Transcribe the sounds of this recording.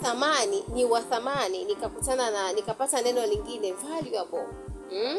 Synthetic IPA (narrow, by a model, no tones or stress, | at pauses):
θamaniniwaθamaninikakutanananikapatanɛnɔliŋɡinɛvaljuabɔ | m̩